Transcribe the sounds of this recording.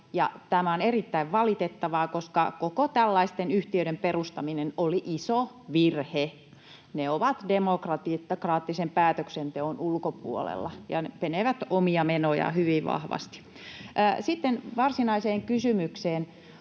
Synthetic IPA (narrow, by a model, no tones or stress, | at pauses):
jɑ̰t̪æmæonerit̪ːæiʋʋɑlit̪et̪ːɑʋɑːkoskɑ̰kokot̪ælːɑist̪enyht̪iøiɾemperust̪ɑminenoliʔiso | ʋirhe | neoʋɑt̪demokrɑt̪it̪ːɑkrɑːt̪ːisempæːt̪øksent̪eonulkopṵo̰lḛlːɑjɑ̰nepeneʋæt̪omiɑmenojɑ̰hyʋiʋɑ̰hʋɑ̰st̪i̥ | ʔːsit̪ːenʋɑrsinɑiseːŋkysymykseːn